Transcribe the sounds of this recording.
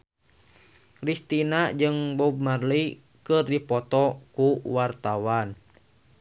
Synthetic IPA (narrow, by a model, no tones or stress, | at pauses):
kɾist̪inad͡ʒɨŋbɔb̚marli | kɨrdipɔt̪ɔkuwart̪awan